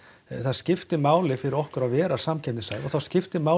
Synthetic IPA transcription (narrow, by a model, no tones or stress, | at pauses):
θaðscɪft̪ɪmaːwlɪfɪɾɪɾɔhkʏɾaðvɛːɾasamcʰɛnɪsaːjvɔθawscɪft̪ɪmaːw